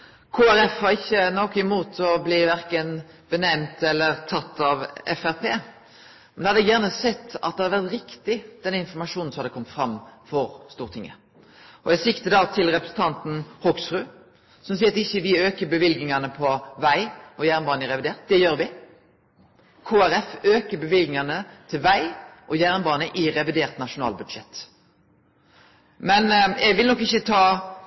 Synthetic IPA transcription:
kʰoːæɾɛfhɑɾɪçːənɔkːɪmuːt̪ʰɔbliːʋæɾkən | b̥ənɛmt̪ɛlːəɾt̪ʰɑt̪ːɑʋɛ̰fæɾpʰeː | mɛnɛhɑd̪ɛɡjæːʁnəsɛt̪ʰːɑ̰t̪̚d̪ɛhɑd̪ʋæʁt̪ɾɪkt̪ɪd̪̥ɛnːəɪnfɔʁmɑʂuːnn̩sɔmhɑd̪əkɔmt̪fɾɑmːfɔɾst̪uːʁt̪ʰɪŋːə̰ | ɔjæsɪkt̪əd̪ɑːt̪ʰɪlʁɛpɾəsn̩t̪ʰɑnt̪n̩hɔɡsɾʉː | sɔmsiːəɾɑt̪ɪçːəʋɪøːkəbəʋɪlɡɪŋɑnəpʰɔʋæɪɔjæːʁnbɑːnəɪɾɛʋɪd̪eːʁt̪̚d̪ɛjøːɾʋɪ | kʰoːæɾɛføːkəbəʋɪlɡɪŋɑnət̪ʰɪlʋæɪʔɔjæːʁnbɑːnəʔɪʁɛʋɪd̪eːʁt̪nɑʂʊnɑ̰ːlbʉd̪ʃɛt̪ | mɛnɛɡʋɪlnɔkːɪçːət̪ʰɑː

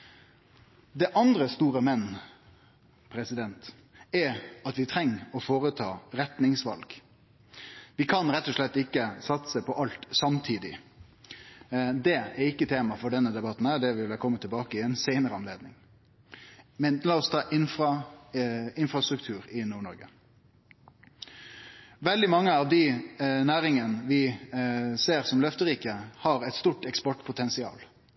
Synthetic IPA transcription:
d̪ɛʔɑnd̪ɾəst̪uːɾəmɛnː | pʰɾɛsɪd̪ɛnt̪ | ɛɑt̪ʋɪt̪ʰɾɛŋːɔfoːɾət̪ʰɑːɾɛt̪nɪŋsʋɑ̰lɡ̥ | ʋɪkʰɑnɾɛt̪ːɔʂɭɛt̪ːɪkːəsɑt̪səpʰɔʔɑlt̪sɑmt̪ʰiːd̪ɪ̰ | d̪ɛɛɾɪkːət̪ʰeːmɑfɔɖɛnːəd̪ɛbɑt̪ːn̩hæːd̪ɛʋɪlʋækʰɔmːət̪ʰɪlbɑːkəɪɛɪnseɪnəɾəɑnleːd̪nɪŋ | mɛnlɑːɔst̪ʰɑːʔɪnfʁɑ | ɪnfɾʁɑst̪ɾʉk̚t̪ʰʉːɾɪnuːɳɔɾɡə | ʋɛld̪ɪmɑŋːəɑʋd̪ɪnæːɾɪŋənəʋɪ | seːɾsɔmlœft̪əɾiːkəhɑɾɛɪt̪st̪uːʈɛkspɔʈpʰʊt̪ʰɛnsɪɑ̰ːl

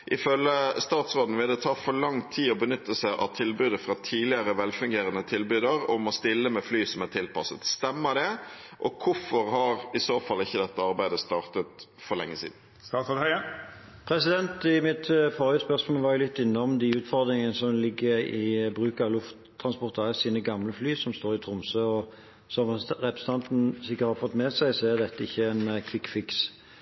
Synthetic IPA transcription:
ʔɪfœləst̪ɑːt̪sʁoːd̪n̩ʋɪld̪ɛt̪ʰɑːfɔɾlɑŋt̪ʰːiːɔbənʏt̪ːəsæɪʔɑ̰ʋt̪ʰɪlbʉːd̪əfɾɑt̪ʰiːlɪəɾəʋɛlfʉŋɡeːɾənət̪ʰɪlbʉd̪əɾɔmɔst̪ɪlːəmɛflyːsɔmæt̪ʰɪlpɑsət̪st̪ɛmːəd̪ɛʔɔkʰʊfɔɾhɑɾɪsoːfɑlːɪçːəd̪ɛt̪ːəɑɾbæɪd̪əst̪ɑːʁt̪ət̪fɔɾlɛ̰ŋːəsḭːd̪n̩ | st̪ɑːt̪soːd̪hœə | pʰɾɛsɪd̪ɛnt̪ɪmɪt̪fɔːɾʉspœʁsmoːəʋɑːɾjʊlɪt̪ːɪnːɔmd̪ɪʉːt̪fɔʁd̪ɾɪŋənəsɔmlɪɡːəɾɪbɾʉːkɑʋlʊft̪ʰːɾɑnspɔʁt̪ɑɛsiːnəɡɑmləflyːsɔmst̪oːɾɪt̪ʰɾʊmsøɔ | sɔmʁɛpɾɛsət̪ʰɑnt̪n̩sɪkːət̪hɑfɔt̪ːmɛsæɪsɔæʁd̪ɛt̪ːəɪçːəɛnkʰʋɪkfɪks

